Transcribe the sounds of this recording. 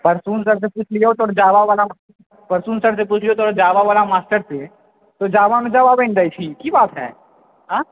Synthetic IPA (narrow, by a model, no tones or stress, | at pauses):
pɐɾsuːnsɐɾs̬epuːt͡ʃʰliot̪ɔːɽd͡ʒaːʋaʋaːla | pɐɾsuːnsəɾs̬epuːt͡ʃʰlijot̪ɔːɽd͡ʒaːʋaʋaːlamaːsʈəɾse | t̪od͡ʒaːʋamẽd͡ʒaːʋabẽːnd̪ait͡ʃʰikibaːt̪ɦɛ̰ː | ɦãː